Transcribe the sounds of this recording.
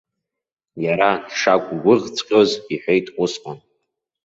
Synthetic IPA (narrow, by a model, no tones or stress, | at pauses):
jaɾad̥ʂakʷʼɡʷʊʁt͡sʼqʲʼoziħʷᶣejtʼqʷʼʊsqʷʼʊn